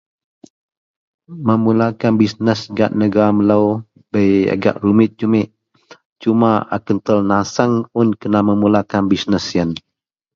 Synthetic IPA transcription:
məmulakanbisnəsɡa̰ʔnəɡaaməlaw | bəja̰ɡa̰ʔɾumɪt̪̚d͡ʒumɪʔ | t͡ʃumaʔa̰kənt̪əlnasəŋʊnkənaməmulakanbisnəsjən

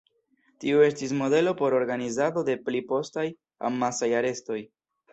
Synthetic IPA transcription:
tiue̞stis̬mo̞de̞lo̞po̞ɾo̞ɾɡanizado̞de̞plipo̞staj | a̰mːasajaɾe̞sto̞j

